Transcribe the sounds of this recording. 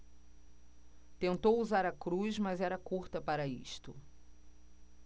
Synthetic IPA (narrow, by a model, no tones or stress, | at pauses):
t̪ẽnt̪owuzaɾɐkɾuzmɐzɛɾɐkuɾt̪ɐpaɾɐḭʃt̪ʊ